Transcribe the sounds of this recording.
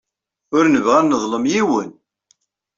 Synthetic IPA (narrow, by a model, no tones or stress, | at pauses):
ʊɾnəvʁænːəðˤləmjiwən